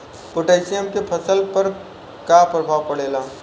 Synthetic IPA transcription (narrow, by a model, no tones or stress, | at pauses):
pʊʈeːsijəmkepʰɐsəlpɐɾ | kapɾəbʱaːʋpɐɽeːlaː